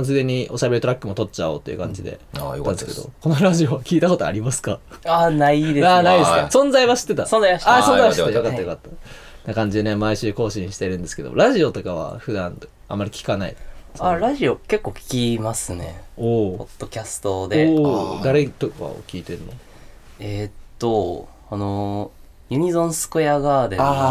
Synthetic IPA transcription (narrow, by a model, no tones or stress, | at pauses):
sɨɡ̪eɲ̟iʔo̞ɕabeit̪o̞ɾakːɯmo̞t̪o̞t̚ːt͡ɕao̞̰ːt̪ːeiɯ̟kã̰ɲ̟d͡ʑid̪e̞̰and̪esked̪o̰ko̞no̞ɾaʑio̞βakʲiːt̪ako̞t̪oa̰ɾʲimasɨ̥kaanaid̪eanaid̪esɨkasõ̞nzaiβaɕi̥t̪ːe̞t̪asonzajaasõnzaiaɕt̪ːejokat̪ːjokat̪ːḁ | nakãɲ̟d͡ʑid̪e̞ne̞maiɕɨːko̞ːɕĩɰ̃ɕi̥t̪e̞ɾɯ̟̃nd̪e̞sɨ̥ke̞o̰m̰o̰ɾaʑio̞t̪o̞kaβa̰ɸɯ̟d̪ãn | a̰mːaɾʲikʲi̥kanaḭaɾaʑio̞ke̞kːo̞ːkʲi̥kʲimasɨne̞̰oːppod̪̥ːo̞kʲasɨ̥t̪o̞d̪e̞ːd̪aɾe̞t̪oka̰o̰kʲiːt̪e̞ɾɯ̟no̰ | ett̪ːo̞ | ano | jɯ̟ɲ̟izõ̞ɰ̃sɨ̥ko̟jaɡaːd̪ea